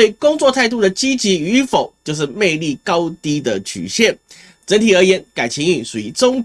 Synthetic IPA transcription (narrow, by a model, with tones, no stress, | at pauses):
e˥˩ɪkʊ˥ŋt͡swɔ˥˧t̪ʰa˥˧ɪt̪̬u˥˩d̪ə˩t͡ɕi˥t͡ɕi˧˥y˧˥fo˨˩ʊt͡ɕjo˥˧ʊʂ̬ɻ̩˥˧me˥˧ɪli˥˩kɑ˦˥ʊt̪i˥d̪ə˨t͡ɕʰy̰˨˩ɕjɛ˥˨n | t͡sə˧˥nt̪ʰi˨˩ə˧˥jɛ˧˥nka˨˩ɪt͡ɕʰi˧˥ŋy˨˩ʂu˨˩y˧˩t͡sʊ˥ŋ